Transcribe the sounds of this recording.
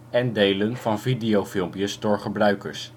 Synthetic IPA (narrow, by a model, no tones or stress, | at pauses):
ɛndejlənvɑnvidejowfɪlˠmpjəsdʊːɹχəbrœɥkəɹs